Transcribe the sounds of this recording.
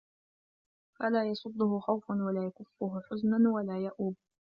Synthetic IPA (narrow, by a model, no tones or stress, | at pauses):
falaːjɑsˤʊd̪ˤːʊhʊxawfanwalaːjakʊfːʊɦʊħʊznanwalaːjaʔuːb̚